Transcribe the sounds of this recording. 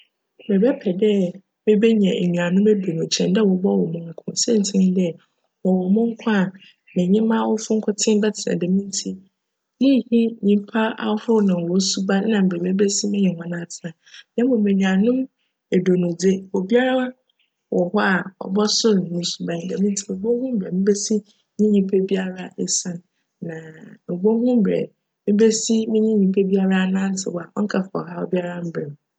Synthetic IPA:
bɛ˨bɛ˦pʰɛ˨dɛ˦ | mɪ̃˦be˦ɲɛ̃˨e˨nũ˨ã˨nʊ̃˦me˦do˨nʊ̃˨t͡ɕʰɛ̰̃˨ndɛ˦wɔ˨bɔ˦wɔ˨mʊ̃˨ŋ˨kʰʊ̰̃˨nsɛ˦n̩˨tʰɪ˦nɪ̃˦dɛ˦ | wɔ˨wɔ˨mʊ̃˦ŋ̩˦kʷʰã˦a˨ | mɪ̃˨ɲɪ̃˦mã˦wɔ˦fʊ˦ŋ̩˦kʰʊ˦tʰɪ̃˦m˦bɛ˦tʰɪ˨nã̰˨dɛ˨mĩ˦n˦tʰi˦ | ji˦hi˦ɲĩ˦m˦pʰa˦a̰˨˦hʊ˦ʊ˦nã˨o˦su˦ba˦nã˨m̩˨be˨bɛ˦bɛ˦si˦mɪ̃˦ɲɪ̃˨hɔ̃˨˦nã˨tʰɪ˨nã˨ | nɛ̃˦bo˨mẽ˨nĩ˨a˨nʊ̃˦m | e˨do˨nʊ̃˨d͡zɪ˦o˨bi˦a˦ɾa˦wa˦ | wɔ˨hɔ˦a˨ɔ̰˨bɔ˦sʊ˦ɾnĩ˨˦su˨bã˨˦˨dã˨mĩ˦n˦tʰi˦˨m̩ẽ˨bo˦hũ˦m˦bɛ˨mĩ˦be˦si˦ | ɲĩ˦ɲĩ˨pʰe˦bi˦a˦ɾa˦sã˦n | nːã˨m̩˨bo˦hũ˦m˦bɾɛ̰˨ | mɪ̃˦be˦si˦mĩ˦ɲĩ˦ɲĩ˨pʰe˦bi˦a˦ɾa˦a˨nã˦n̩˦tʰɪ̰˨wɔ˨a˨ʔɔ̰˦ŋ̩˦kʰa˨fa˨ɔ˨ɦa˦ɔ̰˨bi˦a˦ɾa˦m̩˦bɾɛ˨m˨

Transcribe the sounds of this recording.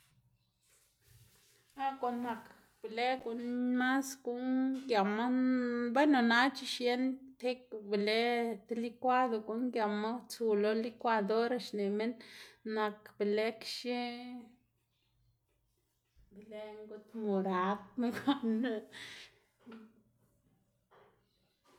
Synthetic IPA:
a˦ko˨nːa˨k | b̥e˨le˦ɡu˨nma˦sɡu˦nɡja˨ma˦be˦jno˨na˦t͡ʃi˧ʃje˦nt̪e˦kbe˨le˦t̪li˦kʷa˦d̪o˨ɡu˨ŋɡja˨ma˦t͡su˨lo˧li˦kʷa˦d̪o˦ɾa˨ʃne˨me˦nːa˨kb̥e˨le˦kʃi˦ | be˨le˦ŋɡu˦t̪mo˨ɾa˨˦b̚me˦ɡo˦n˧

